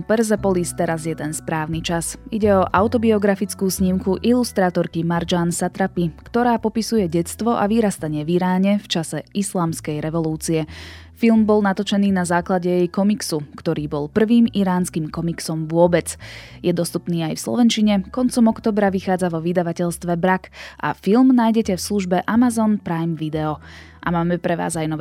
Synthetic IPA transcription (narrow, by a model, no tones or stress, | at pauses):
pɛɾzɛpɔlist̪ɛɾazjɛd̪ɛnspɾaːʊnit͡ʃasiɟɛɔʔaʊt̪ɔbiɔɡɾafit͡skuːsɲimkuʔilust̪ɾaːt̪ɔɾkimaɾd͡ʒaːnsat̪ɾapikt̪ɔɾaːpɔpisujɛɟɛt͡st̪ʋɔʔaʋiɾast̪aɲɪɛʋiɾaːɲɛft͡ʃasɛislaːmskɛjɾɛʋɔluːt͡siɛ | filmbɔlˠnat̪ɔt͡ʃɛniːnazaːklaɟɛjɛjkɔmiksukt̪ɔɾiːbɔlpr̩ʋiːmiɾaːnskiːmkɔmiksɔmʋʊɔbɛt͡sjɛd̪ɔst̪upniːajfslɔ̰ʋɛnt͡ʃiɲɛkɔnt͡sɔmɔkt̪ɔːbɾaʋixaːd͡zaʋɔʋid̪aʋacɛʎst̪ʋɛbɾakʔa̰filmnaːjɟɛcɛfsluʒbɛʔamazɔnpɾajmʋid̪ɛɔ | ʔa̰maːmɛpɾɛʋa̰ːzajnɔʋ